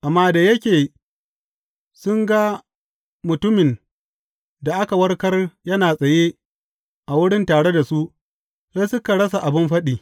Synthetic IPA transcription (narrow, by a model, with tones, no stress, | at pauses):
ʔa˨mːaː˦da˨jɐ˦kʲeː˨ | sʊ˦ŋɡa˦ | mʊ˨tʊ˦mɪ˨n | da˨ʔa˦ka˨wɐ˦rkɐ˦rjɐ˦naː˨sʼɐ˨je˦ | ʔa˨wʊ˦ɽɪ˦ntaː˨ɽe˦da˨su˦ʔ | se˦sʊ˦ka˨ɽɐ˦s̬a˨ʔa˨bɪ˦mɸɐ˦ɗiː˨